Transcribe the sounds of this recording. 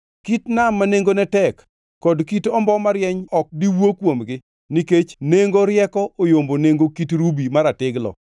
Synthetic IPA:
kitnamːaneŋɡonɛtɛkː | ɔdkitɔmbɔmaɾjɛɲɔk̚diwokwomɡɪ | niket͡ʃneŋɡoɾjɛkɔʔojomboneŋɡokitɾubimaɾatɪɡlɔ̰

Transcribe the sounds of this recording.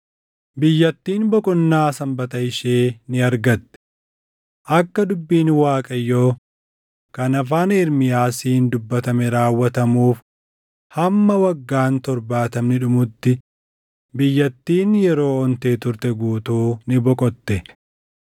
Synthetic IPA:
bɪjːɐt̪ːiːnbɔkʼɔnːaːsɐmbɐt̪ɐɪʃeːnɪɐɾɡɐt̪ːɛ̥ | ʔɐkːɐd̪ʊbːiːnwaːkʼɐjːo̞ː | kɐnɐfaːnɪɾmɪjaːsiːnd̪ʊbːɐt̪ɐmɛɾaːwːɐt̪ɐmuːf | hɐmːɐwɐɡːaːnt̪ɔɾbaːt̪ɐmnɪᶑʊmʊt̪ːɪ | bɪjːɐt̪ːiːnjɛɾo̞ːɔnt̪eːt̪ʊɾt̪ɛɡuːt̪uːnɪbɔkʼɔt̪ːɛ

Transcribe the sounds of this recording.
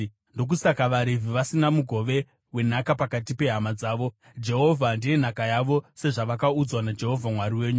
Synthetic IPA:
ndo̞k̬usakaʋaɾivʱiʋasinamuɡʱo̞ʋe̞ | we̞nakapakatipe̞ɦamad͡zaːʋo̞ | d͡ʒe̞ɦo̞vʱandije̞n̤akajaʋo̞se̞ʐaʋakaud͡zwanad͡ʒe̞ɦo̞vʱamwaɾiwe̞ːɲu

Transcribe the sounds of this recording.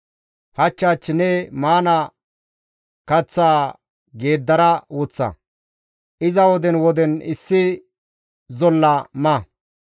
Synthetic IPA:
hɐt͡ʃːaːt͡ʃːnɛmaːnɐ | kɐt͡sːaː | ɡe̞ːd̪ːɐɾɐwʊt͡sːɐ̰ | ʔɪzɐwɔd̪ɛnwɔd̪ɛnɪ̰sːɪ | zɔlːɐmɐ

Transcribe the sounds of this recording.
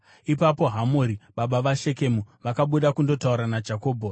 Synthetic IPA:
ipapo̞ɦamoːɾiɓaɓaʋaʃe̞ke̞muʋakaɓuɗakundo̞tauɾanad͡ʒako̞ːbʱo

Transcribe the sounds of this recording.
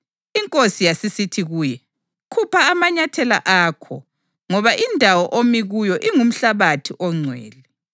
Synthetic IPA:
iŋkʼosijasisitʰiɣuːjɛ | kʰupʰaːmaɲatʰɛla̰ʔaːkʰɔ̰ | ŋɔβaʔindʱawɔʔomiɣujɔʔiŋum̩ɬaβatʰiʔɔŋ͡ǀʱwɛ̰ːlɛ

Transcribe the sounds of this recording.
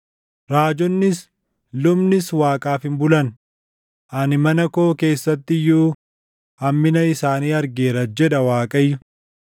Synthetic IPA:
ɾaːd͡ʒɔnːɪs | lʊbnɪswaːkʼaːfɪmbʊlɐn | ʔɐnɪmɐnɐko̞ːke̞ːsːɐt̪ːɪjuː | ɐmːɪnɐɪsaːniːɐɾɡeːɾɐd͡ʒɛᶑ̪ɐwaːkʼɐjːʊ

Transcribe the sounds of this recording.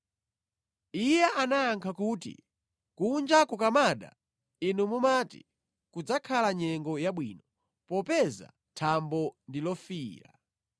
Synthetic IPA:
ijɛʔanaːŋkʰakuːtḭ | kund͡ʒakukamaɗa̰ | inumumatḭ | kud͡zakʰalaɲɛŋɡɔjaɓwiːnɔ | pɔpɛza̰ | tʰambɔndilɔfiːɾa̰

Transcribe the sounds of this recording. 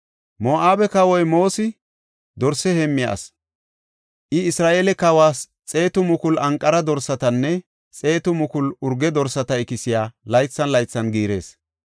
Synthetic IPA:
moːʔaːbɛkɐwɔjmo̞ːsɪ | d̪ɔɾsɛhɛmːɪja̰ːs | ʔɪɪsɾaːʔeːlɛkɐwaːs | t͡sʼe̞ːt̪ʊmʊkʊlʔɐŋkʼːɐɾɐd̪ɔɾsɐt̪ɐnːɛ | t͡sʼe̞ːt̪ʊmʊkʊlʊɾɡɛd̪ɔɾsɐt̪ɐɪkɪsɪjaːlɐjt͡sːɐnlɐjt͡sːɐnɡiːɾe̞ːs

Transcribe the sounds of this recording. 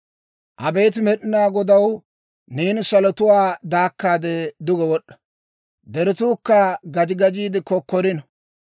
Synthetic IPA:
ʔɐbeːt̪̬ɪmɛɗɪnaːɡɔd̪ɐw | niːnsɐlɔt̪ʊwaːd̪aːkːaːd̪ɛd̪ʊɡɔwɔɗːɐ̥ | d̪ɛɾɪt̪uːkːɐɡɐd͡ʒɪɡɐd͡ʒiːd̪ɪkɔkːɔɾɪnɐ

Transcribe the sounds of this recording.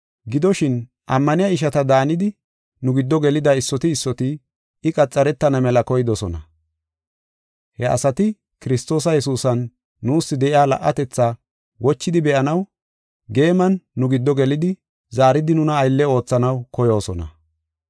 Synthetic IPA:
ɡɪd̪ɔʃɪn | ʔɐmːɐnɪjɐɪʃ̬ɐt̪ɐd̪aːnɪd̪ɪ | nʊɡɪd̪ːɔɡɛlɪd̪ɐɪsːɔt̪ɪːsːɔt̪ɪ | ɪkʼɐt͡sʼːɐɾɛt̪ːɐnɐmɛlɐkɔjɪd̪ɔsɔnɐ̰ | hɛɐ̰sɐt̪ɪ | kɪɾɪst̪o̞ːs̬ɐjɛsuːsɐnː | uːsːɪd̪ɛʔɪaːlɐ̰ʔːɐt̪ɛt͡sːaː | wɔt͡ʃːɪd̪ɪbɛʔɐnɐw | ɡe̞ːmɐnːʊɡɪd̪ːɔɡɛlɪd̪ɪ | zaːɾɪd̪ɪnʊnɐːjlːɛo̞ːt͡sːɐnɐwkɔjo̞ːsɔnɐ̰

